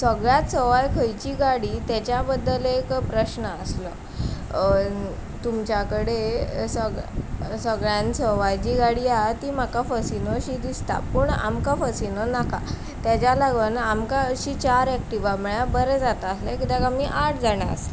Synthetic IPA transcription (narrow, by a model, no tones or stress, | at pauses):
səɡɭjat̪səʋajkʰəjt͡ɕiːɡaɽiːt̪jat͡ɕjabəd̪ːəlekpɾəɕnəəslə | t̪umt͡ɕjakəɽesəɡsəɡɭjãnsəʋajt͡ɕiːɡaɽiat̪iːmakafəsinoɕiːd̪ist̪a̰puːɳa̰mkafəsinonaka̰ | t̪jat͡ɕjalaɡənamkaɕit͡ɕaɾɛk̚ʈiʋaməɭjabəɾɛd͡zat̪aəslakit̪akamiʔaʈʰd͡zaɽ̃a̰ə̰s